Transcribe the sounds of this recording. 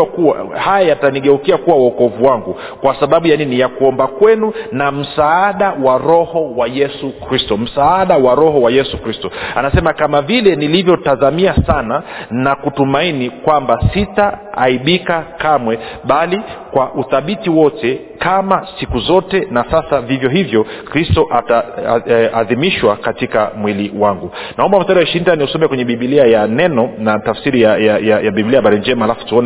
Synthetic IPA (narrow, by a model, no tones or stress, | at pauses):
kua̰hajajataniɠɛukiakuwawɔkɔvuwaŋɡu | kwasaɓaɓujaninijakuɔmbakwɛnunam̩saaɗawaɾɔhɔwajɛsukɾistɔm̩saːaɗawaɾɔhɔwajɛsukɾistɔanasɛmakamavilɛnilivjɔtazamiasananakutumainikwambasitaːiɓikakamwɛɓalikwaʔuθaɓitiwɔtɛ | kamasikuzɔtɛnasasavivjɔɦivjɔkɾistɔʔata | aðimiʃwakatika̰mwiliwaŋɡunaɔmbam̩staɾiwaʃintaniusɔmɛkwɛɲɛɓiɓiliajanɛnɔnatafsiɾijajajajaɓibiliajaɓaɾind͡ʒɛmaalafu̥tuɔn